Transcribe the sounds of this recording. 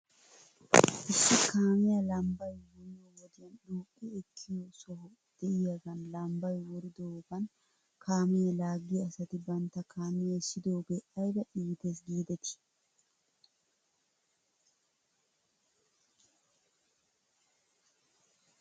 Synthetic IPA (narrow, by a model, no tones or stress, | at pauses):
ʔɪsːɪkaːmɪjɐlɐmbɐjwʊnɪɔwɔd̪ɪjɐnɗuːkʼːiɛkʰːɪjosɔhɔ | d̪̥ɛʔɪjɐɡɐnlɐmbɐjwɔɾɪd̪oːbɐn | kʰaːmɛɐlaːɡːiɐsɐt̪ɪbɐnt̪ːɐkaːmɪjɐsɪd̪oːbɛʔɐjbɐᶑiːd̪esɡiːd̪ɛt̪ɪ̥